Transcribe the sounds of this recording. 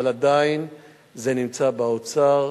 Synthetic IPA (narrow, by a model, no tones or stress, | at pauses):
alad̪ain | zenimt͡sabaot͡saʁ